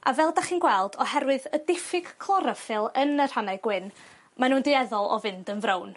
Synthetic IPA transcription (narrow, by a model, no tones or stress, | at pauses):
a̰vɛlˠdaχiːnɡwɛlˠdɔhɛɾwɨðədɪfɪɡ̥kʰlˠɔɾəfɪlˠənər̥hanajɡ̥wɪn | manuːndɪɛðɔlˠɔ̰vɪndənvrown